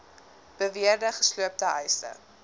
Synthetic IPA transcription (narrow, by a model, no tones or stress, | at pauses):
b̥əviərdəχə̥sluəp̚təɦɛjsə̰